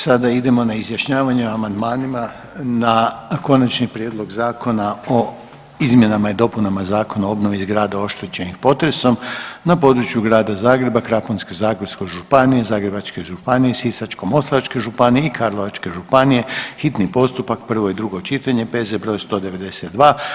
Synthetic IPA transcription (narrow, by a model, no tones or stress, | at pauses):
sad̪aid̪e̞mo̞naizjaʃɲaːʋaɲeoamand̪maːnima | nako̞nat͡ʃnipɾʲje̞d̪lˠo̞ɡzaːko̞nao̞ | izmje̞namaid̪o̞punamazaːko̞naoobno̞ʋiːzɡɾaːd̪ao̞ʃt̪et͡ʃe̞nixpo̞t̪ɾe̞so̞mnapo̞d̪ɾut͡ʃjuɡɾaːd̪azaːɡɾe̞bakɾaponske̞zaːɡɾesko̞jʒupanije̞zaːɡɾe̞bat͡ʃke̞ʒupanije̞sisat͡ʃko̞mo̞slˠaat͡ʃke̞ʒupanijeikʰaɾlˠo̞ʋat͡ʃke̞ʒupanije̞xit̪nipo̞st̪upak̚pr̩ʋo̞id̪ɾuɡo̞t͡ʃit̪aɲe̞pe̞zebɾo̞jst̪o̞ːd̪e̞ʋe̞d̪e̞se̞t̪̚d̪ʋaː